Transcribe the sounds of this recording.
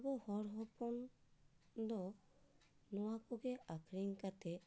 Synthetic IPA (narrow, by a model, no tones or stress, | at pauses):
bɔhɔɾɦɔpɔn | d̪ɔ | nɔwakoɡeakʰɾiŋkat̪ʰe